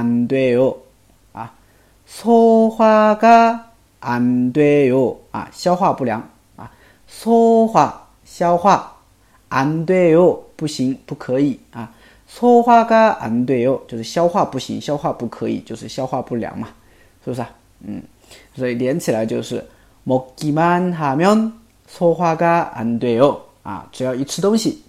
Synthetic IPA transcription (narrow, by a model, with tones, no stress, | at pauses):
a˧nt̪we˥ɪjo˥˩ʊ | a˨˧˩ | sʰo˥xwa˥ka˥ | ʔa˧˥nt̪we˥˧jo˥˩ʊa̰˨˧ɕjɑ˥ʊxwa˥˧pu˥˩ljɑ̰˧˥˦ŋ | a̰˨˩ | sʰo˥xwa˥˩ | ɕjɑ˥ʊxwa˥˩ | a˧˥nt̪we˥jo˥˧ʊpu˥˩ɕi˧˥˦ŋpu˥˩kʰɤ˧˥i˨˩˦a˨˩ | sʰɔ˥xwa˥ka˥a̰˧˥nt̪we˥˧jo˥˩˨ʊt͡ɕjo˥˧ʊʂɻ̩˥˩ɕjɑ˥ʊxwa˥˧pu˥˩ɕḭ˧˥ŋɕjɑ˥ʊxwa˥˧pu˥˩kʰɤ˧˦ḭ˨˩t͡ɕjo˥˧ʊʂɻ̩˥˩ɕjɑ˥ʊxwa˥˧pu˥˩lja̰˧˩˦ŋma˨˧ | ʂ̩˥˧˩a˧˩ | n̩˥˨˩ | sɔ˧˥i˨˩ljɛ˨˧˦nt͡ɕʰi˨la˨˦ɪt͡ɕjo˥˧ʊʂɻ̩˥˩ | mɔ˨˩kkːi˧ma˥˦nxa˧˩mjɔ˥n | sʰɔ˥xwa˥ka˥a̰˧˥nt̪we˥˧jo˥˩ | a̰˨˩ʈ͡ʂɻ̩˨˧˥jɑ˥˩ʊi˧˥t͡sʰɹ̩˥˧t̪o˥ŋɕi˨˩